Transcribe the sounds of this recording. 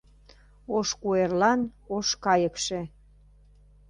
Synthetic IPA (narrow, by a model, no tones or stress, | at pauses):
oʃkuerlɑnoʃkɑjəkʃe